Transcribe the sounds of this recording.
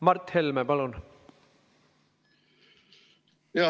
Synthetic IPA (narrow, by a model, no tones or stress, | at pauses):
mɑrt̪ːhelmepɑlun | jɑ